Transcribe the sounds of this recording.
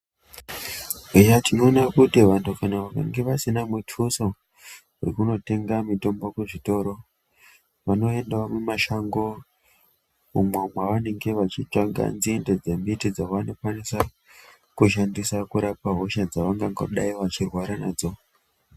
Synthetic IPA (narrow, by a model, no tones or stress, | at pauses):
ijatino̞ːnakutiʋantʰukanaʋaka̰ŋɡe̞ʋasinamutʰuso̞ | wḛkuno̞te̞ŋɡamito̞mbokuʐito̞ːɾo̞ | ʋano̞e̞ndaomumaʃaŋɡo̞ | mumwamwaʋane̞ŋɡe̞ʋat͡ʃit͡ʂaŋɡa̰nd͡ziende̞d͡ze̞mitid͡zawano̞kwanisa | kuʃandisakuɾapaɦo̞ʃad͡zaʋaŋɡaŋɡa̰ɗaiʋat͡ʃirwaɾanaːd͡zo̞